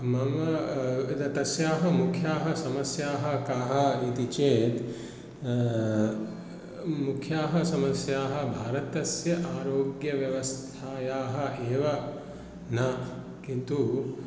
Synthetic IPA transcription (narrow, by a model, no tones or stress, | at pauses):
mɐmɐt̪ɐt̪ɐsjaːɦɐmukʰjaːɦɐ̆sɐmɐsjaːɦɐ̆kaːɦɐ̆it̪it͡ʃeːt̪ | mukʰjaːɦɐsɐmɐsjaːɦɐ̆bʱaːɾɐt̪ɐsjɐʔaːɾoːɡjɐʋjɐʋɐst̪ʰaːjaːɦɐ̆ʔeːʋɐ | nɐ | kint̪u